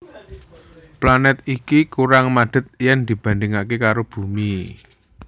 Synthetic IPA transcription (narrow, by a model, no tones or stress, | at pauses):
planɛt̪̚ikikuɾaŋmad̪̥ə̤t̪̚jɛnd̪̥i̤b̥ä̤ndɪŋakekaɾob̥ṳmi